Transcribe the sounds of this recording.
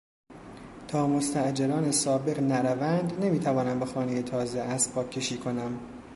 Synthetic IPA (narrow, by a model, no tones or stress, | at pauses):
t̪ʰɒːmo̞st̪ʰæʔd͡ʒeɾɒːnesɒːbe̞ɣnæɾævænd̪ne̞miːt̪ʰævɒːnæmbe̞xɒːneje̞t̪ʰɒːzeʔæspʰɒːkʰːe̞ʃiːkʰo̞næm